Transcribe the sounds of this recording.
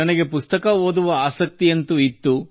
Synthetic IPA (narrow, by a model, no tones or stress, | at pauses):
ɐnɐɡe̞pust̪ɐkɐɦoːd̪uʋɐaːsɐk̚t̪ijɐnt̪uit̪ːu